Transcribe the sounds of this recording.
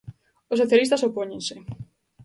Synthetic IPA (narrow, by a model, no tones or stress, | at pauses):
os̬ːoθjalist̪ɐsopoɲẽnsɪ